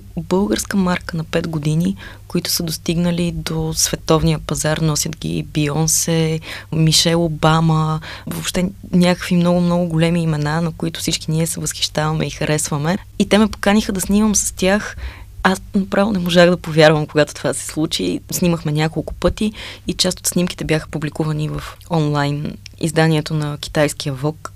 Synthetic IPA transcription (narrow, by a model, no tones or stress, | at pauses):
bɤlˠɡəɾskəmaɾkənɐpɛd̪ɡod̪inikoit̪ʊ̥səd̪ost̪iɡnəlid̪osv̥ɛt̪ɔvnijəpɐzaɾnɔsʲjət̪ɡʲḭbiɔnsɛmiʃɛlˠobaməvopʃt̪ɛnʲakkəkvimnɔɡʊmnɔɡʊɡolɛmiːmɛnanɐkoit̪ʊ̥fsit͡ʃkiniɛsɛvəsxi̥ʃt̪avɐmɛ̰ixəɾʔɛsvəmɛ | it̪ɛmɛpo̥kanixəd̪ɐsniməmsə̥st̪ʲjaxasnɐpɾavɛlˠnɛmoʒaxd̪ɐpovʲjaɾvəmkoɡat̪o̥t̪ovasɛ̥slˠut͡ʃisniməxmɛnʲakolˠkʊ̥pɤt̪iːt͡ʃast̪o̥t̪snimki̥t̪ɛbjaxə̥publikuvɐnivəfɔnlˠajnḭzd̪aniɛt̪onɐkʲi̥t̪ajskijəvɔk